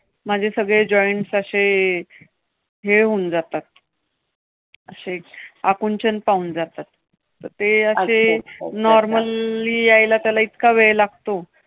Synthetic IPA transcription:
mad͡ʑʱesəɡɭed͡ʑɔiɳʈsəɕe | ɦeɦound͡zat̪at̪̚ | əɕeakunt͡ɕənpauːnd͡zat̪at̪̚ː | əɾt̪eəenɔɾməlːiːajlat̪jalait̪kaʋeɭlaɡ̚ʱt̪o

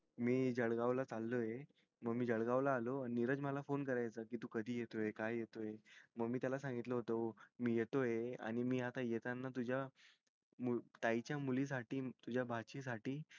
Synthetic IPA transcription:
miːd͡ʑəɽɡaʋlat͡salːoje | məɡmiːd͡ʑəɽɡaʋlaːloainiɾəd͡zməlafonkəɾajt͡səkit̪ũkəd̪ʱiːjet̪ojekajjet̪ojeməɡmiːt̪jalasãŋɡit̪ləɦot̪əmiːjet̪ojea̰ɽ̃imiːɦat̪ajet̪anːat̪ud͡ʑʱja | mut̪ajt͡ɕjamulis̬aʈiːt̪ud͡ʑʱjabʱat͡ɕis̬aʈiː

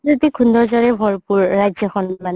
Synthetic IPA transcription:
otikʰundʱɔɹzaɹɛbʱɔɹpuɹːajzɔkʰɔnman

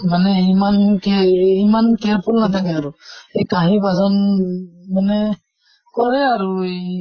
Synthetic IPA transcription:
manɛimankɛimankɛɹpʰulnat̪ʰakɛaɹuejkaɦibazɔn | manɛ | kɔɹɛaɹuj

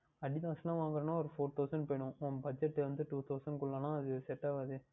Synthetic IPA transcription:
ɐɽid̪ãːsnãːʋãːŋɡɐɾɐːnãːɔɾɯfoːɾt̪ʰɐʊsɐɳɖpoːjɳʊ̃ɔbɐd͡ʒɛʈːɯʋɐnd̪ɯʈuːt̪ʰɐʊsɐ̃ɳɖ̚kʊɭːɐːnãːɐðɯsɛʈːaːʋɐðɯ

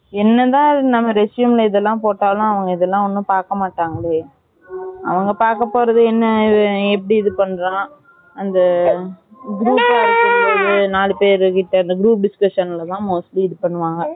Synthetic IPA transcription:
ɛnːɐt̪ãːnɐmːɐɾɛsjumlɐɪðɛlːãːpoːʈːaːlʊ̃ɐʋɐŋɡɐɪðɛlːãːɔnːɯ̃paːɾkɐmaːʈːaːŋɡɐɭeː | ɐ̰ʋɐŋɡɐpaːɾkɐpːoːɾɐðɯɛnːɐɛp̬ːɐɽiɪðɯpɐɳːɾãː | ɐnd̪ɐ | ɡɾuːpaːɾɯkːɯkːɾɐɐðɯnaːɭɯpeːɾɯkɪʈːɐɐnd̪ɐɡɪɾuːp̚ɖɪskɐʂɐnɪlɐt̪ãːmoːsliɪðɯpɐɳːɯʋãːŋɡɐ

